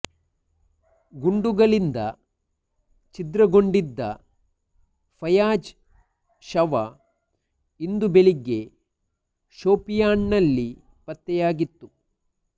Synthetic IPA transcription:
ɡuɳɖuɡɐɭind̪ɐ̰ | t͡ʃid̪ɾɐɡo̞ɳɖid̪ːɐ̰ | pʰɐjaːd͡ʒ | ʃɐʋɐ̰ | ind̪ubeɭiɡe̞ | ʃoːpijaːnːɐlːi | pɐt̪ːɛjaːɡit̪ːu

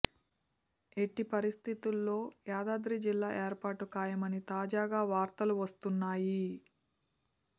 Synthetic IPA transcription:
e̞ʈːipɐɾist̪ʰit̪ulːo̞ːjaːd̪aːd̪ɾid͡ʒilːaːʔe̞ːɾpaːʈukaːjɐmɐnit̪aːd͡ʒaːɡaːʋaːɾt̪ɐluʋɐst̪unːaːji

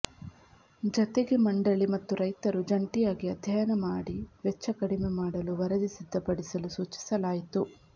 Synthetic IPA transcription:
d͡ʒɐt̪eɡe̞mɐɳɖɐɭimɐt̪ːuɾɐjt̪ɐɾud͡ʒɐɳʈijaːɡiɐd̪ʱjɐjɐnɐmaːɽiʋɛt͡ʃːɐkɐɽimemaːɽɐluʋɐɾɐd̪isid̪ʱːɐpɐɽisɐlusuːt͡ʃi̥sɐlaːjit̪u

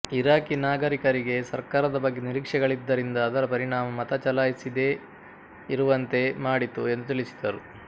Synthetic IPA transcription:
iɾaːkinaːɡɐɾikɐɾiɡe̞sɐɾkaːɾɐd̪ɐbɐɡːeniɾikʂɛɡɐɭid̪ːɐɾind̪ɐːd̪ɐɾɐpɐɾiɳaːmɐmɐt̪ɐt͡ʃɐlaːjisid̪e̞ː | iɾuʋɐnt̪e̞maːɽit̪ue̞nd̪ut̪iɭisi̥d̪ɐɾu

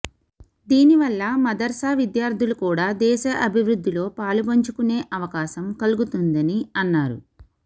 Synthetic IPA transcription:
d̪iːniʋɐlːɐmɐd̪ɐɾsaːʋid̪jaːɾt̪ʰulukuːɽaːd̪ɛːʃɐʔɐbʱiʋɾud̪ːilo̞ːpaːlubɐɲt͡ʃukune̞ːʔɐʋɐkaːʃɐmkɐluɡut̪und̪ɐniɐnːaːɾṵ

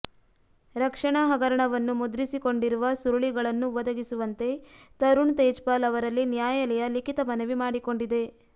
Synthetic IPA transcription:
ɾɐkʂɐɳaɦɐɡɐɾɐɳɐʋɐnːumud̪ɾisiko̞ɳɖiɾuʋɐsuɾuɭiɡɐɭɐnːuʋɔd̪ɐɡisuʋɐnt̪e̞t̪ɐɾuɳt̪eːd͡ʒpaːlɐʋɐɾɐlːinjaːjɐlɛjɐlikit̪ɐmɐnɐʋimaːɽiko̞ɳɖid̪e̞

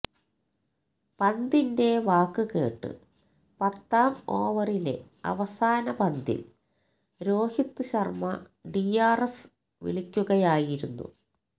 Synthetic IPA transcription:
pɐnd̪inde̞ʋaːkːɨke̞ːʈːɨ̰ | pɐt̪ːaːmo̞ːʋɐrile̞̰ | ɐ̰ʋɐsaːnɐbɐnd̪ḭl | ɾo̞ːhit̪ːɨɕɐrmɐ | ɖijaːres | ʋḭɭikʲːuɣɐjaːjiɾunːṵ

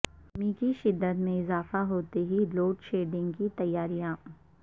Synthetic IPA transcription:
mĩːkiʃɪd̪ːət̪mẽɪzaːfaɦoːt̪eɦiloːʈʃeːɖɪ̃ŋɡkit̪ɐjːaːɾijã

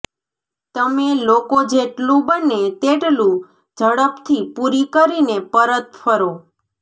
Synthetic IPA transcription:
t̪əmelokod͡ʒeʈlũbənet̪eʈlũ | d͡ʒəɽəpt̪ʰipuɾikəɾinepəɾət̪fʰəɾo

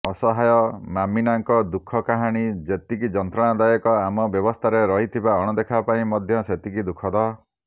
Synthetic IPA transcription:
ɔsɔɦajɔmaminaŋkɔd̪ukʰːɔkaɦaɽ̃id͡ʒet̪ikid͡ʒɔnt̪ɾɔɽ̃ad̪ajɔkɔamɔbjɔbɔst̪ʰaɾeɾɔɦit̪ʰibaɔɽ̃ɔd̪ekʰapaĩmɔd̪ʱjɔset̪ikid̪ukʰɔd̪ɔ

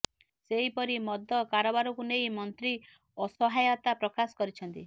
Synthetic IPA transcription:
seɦipɔɾimɔd̪ʱːɔkaɾɔbaɾɔkunejmɔnt̪ɾi | ɔsɔɦajɔt̪apɾɔkasɔ̥kɔɾit͡ʃʰɔnt̪i

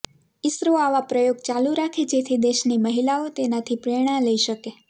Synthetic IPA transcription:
ɪsɾoaʋapɾəjoɡt͡ʃaluɾakʰed͡ʒet̪ʰid̪eʃniməɦilaot̪enat̪ʰipɾeɽ̃ãləiʃəke

